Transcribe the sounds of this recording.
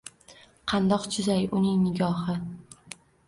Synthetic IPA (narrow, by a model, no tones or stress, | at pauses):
qʰɑnd̪ɒqt͡ʃʰʊzajʊnɪŋnɪɡʲɒhɪ